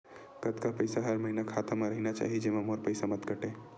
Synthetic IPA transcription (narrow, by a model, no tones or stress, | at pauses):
kət̪kapəɪsaɦəɾmɐɦinakʰaːt̪amaɾəɦinat͡ʃa̰ːɦid͡ʒemãmoɾpəɪsamət̪ɡəʈeː